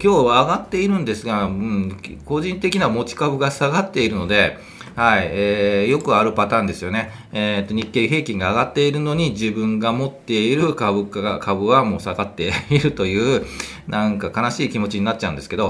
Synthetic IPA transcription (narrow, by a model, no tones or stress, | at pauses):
kʲo̞ːβaːɡat̪ːe̞iɾɯ̟̃nd̪e̞sɨɡaɯ̃ko̞ʑĩnt̪e̞kʲinamo̞t͡ɕi̥kabɯ̟ɡasaɡat̪ːe̞iɾɯ̟no̞d̪e̞ | haieːjo̞kɯ̟aɾɯ̟pat̪ãːnd̪e̞sɨjo̞ne̞ | et̪ːo̞ɲ̟ikːe̞ːɦe̞ːkʲĩŋɡaːɡat̪ːe̞iɾɯ̟no̞ɲ̟iʑibɯ̟̃ŋɡamo̞t̪ːe̞iɾɯ̟kabɯ̟kaakʰabɯ̟βamo̞ːsaɡat̪ːe̞iɾɯ̟t̪o̞jɯ̟ː | nãŋkakanaɕiːkʲimo̞t͡ɕiɲ̟inat̚t͡ɕːãɯ̟̃d̪e̞sɨ̥ke̞d̪o̞